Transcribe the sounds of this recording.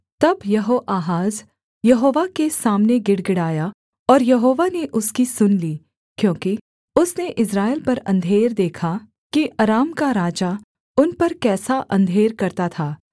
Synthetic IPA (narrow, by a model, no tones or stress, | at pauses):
t̪ɐbjɐɦoʔaːɦaːz | jɐɦoːʋakesaːmneɡɪɽɡɪɽaːja | ɔːɾjɐɦoːʋaneʔʊskisʊnliː | kjõːki | ʊsneʔɪsɾaːɪlpɐɾɐ̰̃nd̪ʱeːɾd̪eːkʰa | kiʔɐɾaːmkaɾaːd͡ʒa | ʊnpɐɾkɛːsaʔɐ̃nd̪ʱeːɾkɐɾt̪at̪ʰaː